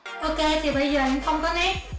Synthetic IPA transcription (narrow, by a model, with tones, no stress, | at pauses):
ʔo˧ke˧t̪ʰi˨˩ɓə˧jzəː˨˩nʊ˨˦xə˧wŋ͡mkɔ˨˦nɛ˦˥t̚